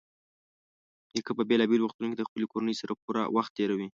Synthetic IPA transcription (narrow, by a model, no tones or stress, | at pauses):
jəkəpəbelɑbelwuxt̪unoked̪əxpəlekoɾanəjsaɾapuɾa̰waxt̪ːeɾawi